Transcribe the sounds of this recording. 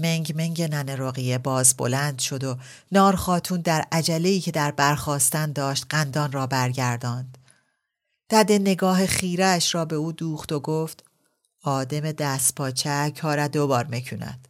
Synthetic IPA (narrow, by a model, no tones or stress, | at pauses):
meŋɟmeŋɟenæneɾoɣijebɒːzbo̰lænd̪ʃo̞d̪o̞ | nɒːɾxɒːt̪ʰuːnd̪æɾæd͡ʒæleiːcʰe̞d̪æɾbæɾxɒːst̪ænd̪ɒːʃt̪ɢænd̪ɒːnrɒːbæɾɟæɾd̪ɒːnd̪̥ | d̪̥æd̪ene̞ɡɒːɦeχiːɾæːʃɾɒːbe̞uːd̪uːχt̪o̞ɡoːft̪ | ɒːd̪eme̞d̪æːst̪̚pʰɒːt͡ʃʰækʰɒːɾæd̪o̞bɒːɾmecʰuːnæ̰d̪̥